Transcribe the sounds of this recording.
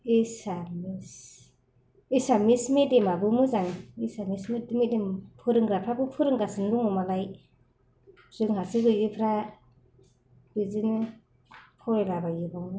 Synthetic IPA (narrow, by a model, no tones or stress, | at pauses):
isamis | isamismedemabɯmɯzaŋisamismedmedempʰɯɾɯŋɡɾapʰɾabɯpʰɯɾɯŋɡasɯnduŋɯmalaj | zɯŋɦasɯɡɯjɡɯpʰɾa | bizinɯ | pʰɔɾelabajɯbɔŋɯ